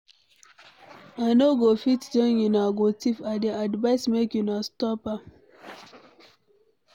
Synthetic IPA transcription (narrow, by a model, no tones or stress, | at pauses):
anoɡofitduinjunaɡotifadeadvaɪsmekjunastɔpa